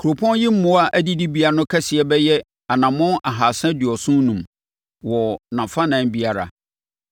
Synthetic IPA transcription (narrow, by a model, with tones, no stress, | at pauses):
kʰu˨ɾo˨pʰɔ̃˦nji˦m̩˦mʊ̃˦a˦ʔæ˦di˦di˦bi˦a˦nʊ̃˦kʰa˦sɪ˨ɛ˦bɛ˦jɛ˦ | a˨nã˨mʊ̃˦nʔa˨ɦa˨sã˦dɪ˨ɔ˨sʊ̃˦n˦nũ˨m | wɔ˨nã˨fã˦nã˨n˦bi˦a˦ɾa̰˨